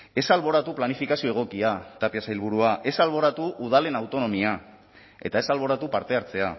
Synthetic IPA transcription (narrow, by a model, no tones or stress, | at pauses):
e̞salβ̞o̞ɾat̪uplanifikasio̞e̞ɣ̞o̞kiat̪apiasajlβ̞uɾuaʔe̞salβ̞o̞ɾat̪uʔuð̞ale̞nawt̪o̞no̞mia | e̞̰t̪ae̞salβ̞o̞ɾat̪upaɾt̪e̞aɾt͡se̞a